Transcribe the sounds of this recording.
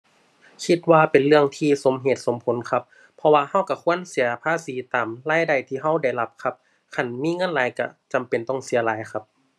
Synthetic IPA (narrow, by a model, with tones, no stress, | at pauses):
kʰi˧t̪̚waː˧pe˨nlɯ˧əŋt̪ʰiː˧so˨˦mɦeː˨˧˩t̪̚so˨˦mpʰo˨˦nkʰa˧p̚ʰːɔ˧waː˧ha˧˥˩wka˧˩kʰu˧˥˨ənsi˨˦ɐpʰaː˧˥˨siː˨˦t̪aː˨˩mlaː˧˥˨jda˧˩jt̪ʰiː˧˩ɦa˧˥˩wda˧˩jla˧˩p̚kʰa˧p̚ | kʰa˧˩nmiː˧˥˨ŋɤ˧˥˨nlaː˨˦jka˧˩t͡ɕa˨˦mpe˨˩nt̪ɔ˧˩ŋsi˨˩˦ɐlaː˨˦jkʰa˧p̚